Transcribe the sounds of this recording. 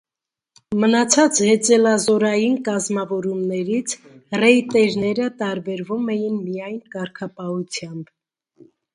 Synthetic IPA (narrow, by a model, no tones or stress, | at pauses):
mənɑt͡sʰɑt͡shɛt͡sɛlɑzɔɾɑjinkɑzmɑvɔɾumnɛɾit͡sʰrɛit̪ɛɾnɛɾət̪ɑɾbɛɾvumɛjinmijɑjnkɑɾkʰɑpɑhut͡sʰjɑmb